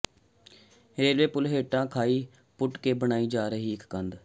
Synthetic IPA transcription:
ɾeːlʋeːpʊlɦeːʈãːkʰaːiː | pʊʈkeːbəɳ̃aːiːd͡ʒaːɾəɦiːɪkkənd̪

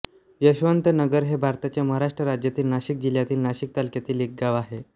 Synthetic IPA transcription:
jəɕʋənt̪ənəɡəɾɦebʱaɾt̪at͡ɕjaməɦaɾaʂʈɾəɾad͡ʑjat̪iːlnaɕik̚d͡ʑiljat̪iːlnaɕik̚t̪alkjat̪iːlek̚ɡaʋaɦe

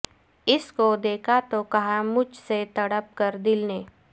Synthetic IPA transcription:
ɪskod̪eːkʰat̪okɐɦamʊd͡ʒʱset̪ɐɽəp̚kəɾd̪ɪlneː

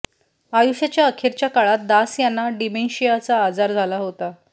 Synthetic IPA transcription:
ajuɕjat͡ɕjaəkʰeɾt͡ɕjakaɭat̪̚d̪asjanːaɖimenɕijat͡saːd͡zaɾd͡zʱalaɦot̪a

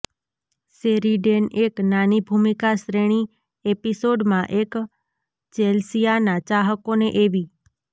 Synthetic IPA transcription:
seɾiɖeneknanibʱumikaʃɾeɽ̃i | episoɖmãʔek | t͡ʃelsijanat͡ʃaɦəkoneʔeʋi

